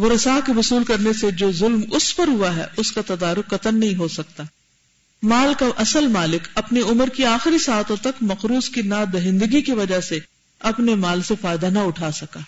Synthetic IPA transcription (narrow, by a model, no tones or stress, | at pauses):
mʊɾɐsaːkeʋʊsuːlkɐɾnesed͡ʒoːzʊlmʊspɐɾɦuaɦɛ̰ʊskat̪ɐd̪aːɾʊqːɐt̪ənnɐɦĩɦosɐk̚t̪aː | maːlkaʔɐsəlmaːlɪkɐpneʊməɾkiaːxɪɾisaːt̪õt̪ɐkmɐqɾuːskinad̪ɐɦɪ̃nd̪əɡikeʋɐd͡ʒaɦse | ɐpnemaːlsefaːɪd̪anɐʊʈʰaːsɐkaː